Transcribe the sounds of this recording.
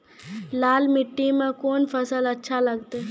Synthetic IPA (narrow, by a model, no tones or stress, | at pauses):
laːlmɪʈːimẽkoːnfʰəsəlɐtːʃʰalɐɡt̪eː